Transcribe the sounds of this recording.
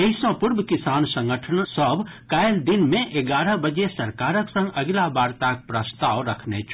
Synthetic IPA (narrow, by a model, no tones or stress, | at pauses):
eɪsɔ̃pʊɾbkɪsaːnsɐ̃ŋɡəʈʰənsəbkajld̪ɪnmẽʔeɡaːɾəɦbɐd͡ʒesɐɾkaːɾəksə̃ŋɡɐɡlabaːɾt̪ak̚pɾɐst̪aːʋɾɐkʰnḛt͡ʃʰ